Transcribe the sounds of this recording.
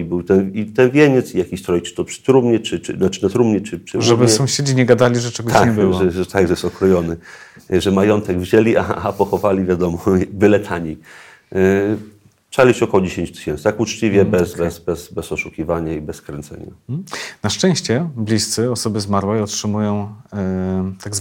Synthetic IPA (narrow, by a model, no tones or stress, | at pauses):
ibɘwt̪ɛnit̪ɛnvʲjeɲɛt̪sijakʲiɕt̪ɾɔjt͡ʃɨ̥t̪ɔpʂɘ̥t̪ɾumɲɛt͡ʂɘt͡ʂɘ̰nat͡ʂɘnat̪ɾumɲɛt͡ʂɘpʂɨʐɛbɘɛsɔ̃w̃ɕed͡ʑiɲɛɡad̪alʲiʐɛt͡ʂɛɡɔt̪akɲɛbɘwʐaɛɛt̪aɡʐɛjɛsɔkɾɔjɔnɘ | ʐɛmajɔnt̪ɛɡvʑɛlʲiʔa̰apɔxɔvalʲivʲjad̪ɔmɔvɘlɛt̪ʰaɲʲi | tt͡ʂalʲiɕɛɔkɔwɔd͡ʑeɕeɲt͡ɕt̪ɘ̥ɕɛnt̪st̪akut͡ʂt͡ɕivʲjɛbɛzbɛsbɛsbɛsɔʂukʲivaɲaibɛskɾɛnt̪sɛ̰ɲa̰naʂt͡ʂɛ̃w̃ɕt͡ɕɛblʲist̪sɘɔsɔbɘzmaɾwɛjɔtʂɘmujɔ̃w̃ | t̪aɡz